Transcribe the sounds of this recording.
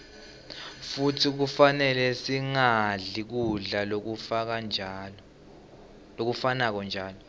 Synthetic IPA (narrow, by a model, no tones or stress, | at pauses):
futʰik̬ufanɛlɛsiŋaɮik̬uɮalok̬ufak̬an | lok̬ufanak̬ɔnd͡ʒʱaːlɔ